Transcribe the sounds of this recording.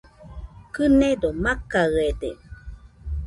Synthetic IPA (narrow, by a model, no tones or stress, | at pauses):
kɨned̪omakaɯedḛ